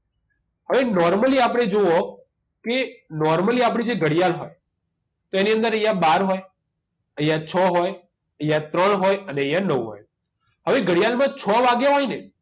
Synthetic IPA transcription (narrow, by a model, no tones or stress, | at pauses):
ɦəʋenɔɾməliapɽ̃ed͡ʒoo | kenɔɾməliap̬ɽ̃ĩd͡ʒeɡəɽijalɦɔj | t̪oeniənd̪əɾəjãɓaɾɦɔj | əjãt͡ʃʰɔɦɔj | əjãt̪ɾəɳɦɔjəneəjãnəʋɦɔ̰j | ɦəʋeɡəɽijalmãt͡ʃʰɔʋaɡjaɦɔjne